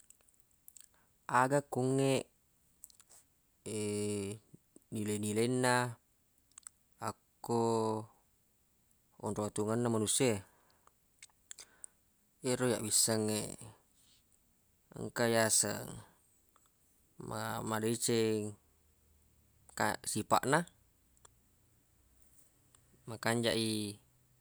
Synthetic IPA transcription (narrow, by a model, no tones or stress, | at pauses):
aɡakːuŋːeʔ | e | nilenilenːa | akː | o | ɔ̰nruwat̪uŋanːamanusia | eɾoja̰ʔbisːaŋːḛ | ə̰ŋkajasə̰ŋ | ma̰madeit͡ʃeŋ | ka̰sipa̰ʔna | makaɲd͡ʒaʔi